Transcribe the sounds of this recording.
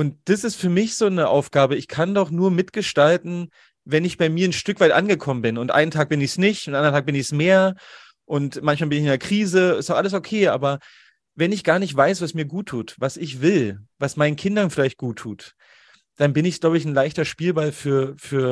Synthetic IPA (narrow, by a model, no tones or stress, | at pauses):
ʔʊntd̥asɪstfyːɐmɪçz̥oːnəʔa̰ʊfɡ̥aːbəɪçkʰandɔχnuːɐmɪtɡ̥əʃtaltn̩ | vɛnɪçb̥aɪmiːɐnʃtʏkv̥aɪtʔa̰nɡəkʰɔmənbɪnʊntʔa̰ɪntʰaːk̚b̥ɪnɪçsnɪçtʔʊnʔandɐntʰaːk̚b̥ɪnɪçsmeːɐ | ʔʊntmançmaːlbɪnɪçɪndeːɐkʁ̥iːzəɪ̰staʊxʔaləsokʰeːʔa̰ːbɐ | vɛnɪçɡ̥aːɐnɪçtv̥aɪsv̥asmiːɐɡuːtʰːuːtvasɪçv̥ɪlvasmaɪnənkʰɪndɐnfɪlaɪçt̚ɡ̥uːtʰːuːt | d̥anbɪnɪçɡ̥laʊbəɪçn̩laɪçtɐʃpiːlbalfyːɐfyːɐ